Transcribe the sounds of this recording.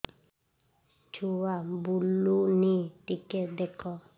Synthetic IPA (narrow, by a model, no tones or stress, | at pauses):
t͡ʃuwabulunitiked̪ɛkɔ